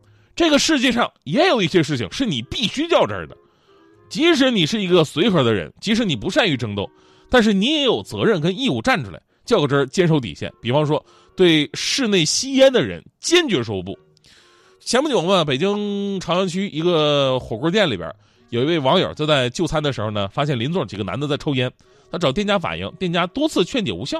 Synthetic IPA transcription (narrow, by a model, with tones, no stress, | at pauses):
ʈ͡ʂɤ˥˩ɡə˩ʂɻ̩˥˧t͡ɕjɛ˥˧ʂɑ˥˩ŋjɛ˧˥jo˨˩ʊi˥˩ɕjɛ˥ʂ̬ɻ̩˥˩t͡ɕʰḭ˨˩ŋʂɻ̩˥˩ni˨˩pi˥˩ɕy˥t͡ɕjɑ˥˩ʊʈ͡ʂə̰˞˧˥d̪ə̰˨ | t͡ɕi˧˥ʂ̬ɻ̩˧˥ni˨˩ʂɻ̩˥˩i˧˥ɡə˧swe˧˥ɪxə˞˧˥d̪ə˧ɻə̰˧˥nt͡ɕi˧˥ʂ̬ɻ̩˧˥ni˨˩pu˧˥ʂa˥˧ny˧˥ʈ͡ʂɤ˥ŋt̪o˥˧˩ʊ | t̪a˥˧nʂ̬ɻ̩˥˩ni˧˥jɛ˧˥jo˨˩ʊt͡sɤ˧˥ɻə˥˩nkə˥ni˥˧u˥˧ʈ͡ʂa˥˩˧nʈ͡ʂʰu˥la̰˧˦ɪt͡ɕjɑ˥˩ʊʈ͡ʂə˥t͡ɕjɛ˥nʂo˧˥ʊt̪̬ḭ˨˩ɕjɛ̰˥˩npi˨˩fɑ˥ŋʂ̬wɔ˥ | t̪we˥˧ɪʂɻ̩˥˧ne˥˩ɪɕi˥jɛ˥nd̪ə˨ɻə̰˧˥nt͡ɕjɛ˥nt͡ɕɥɛ˧˥ʂo˧˥ʊpṵ˥˩ | ɕjɛ˧˥mpu˥˩t͡ɕjoʊ˨˩ŋmə˥˩pe˨˩ɪt͡ɕi˥ŋʈ͡ʂʰɑ˧˥ŋɻɑ˧˥t͡ɕʰy˥ʔi˧˥ɡə˧xwɔ˨˩kwɔ˥˧˥t̪jɛ˥˩nli˨˩bjə̰˞˨˧˩ | jo˨˩ʊi˧˥we˥˩ɪwɑ˧˥ŋjə̰˞˨˩t͡ɕa˥˧t͡sa˥˧ɪt͡ɕjo˥˩ʊt͡sʰa˥nd̪ə˨ʂɻ̩˧˥xo˧ʊnə˩fa˥ɕjɛ˥˩nli˧˥nt͡swʊ˥˩ʈ͡ʂi˨˩ɡə˦na̰˧˥nd̪ə˧t͡sa˥˩ɪʈ͡ʂʰo˥ʊjɛ˥n | t̪ʰa˥ʈ͡ʂɑ˨˩ʊt̪jɛ˥˩nt͡ɕja˥fa̰˨˩njḭ˥˧ŋt̪jɛ˥˩nt͡ɕja˥t̪wɔ˥t͡sʰɹ̩˥˧t͡ɕʰɥɛ˥˧nt̪jɛ̰˨˩u˧˥ɕjɑ˥˩ʊ